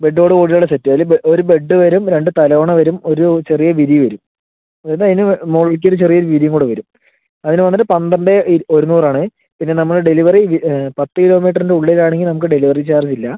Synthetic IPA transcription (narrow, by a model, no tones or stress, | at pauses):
be̞ɖːoːɽɨkoːɽiloɭːɐsetːɨɐilːbʔoɾube̞ɖːɨʋɐɾumɾe̞ɳɖɨt̪ɐloːɳɐʋɐɾumo̞ɾut͡ɕe̞rijɐʋiðijʋɐɾum | ɐðɐnɐðinɨmoːɽɐɭk̬ʲːoɾut͡ɕerijɐoɾuʋiðijɐŋkuːɽɨʋɐɾum | ɐðinɨʋɐnːɐʈɨpɐnd̪ɐɳɖeo̞ɾunːuːraːɳɨ | pinːe̞nɐmːɐɭɨɖe̞liʋɐriipɐt̪ːɨkilo̞ːmiːʈːɐrindeuɭːelaːɳeŋɡilɨnɐmukːɨɖe̞liʋɐrit͡ɕaːrit͡ɕːilːɐ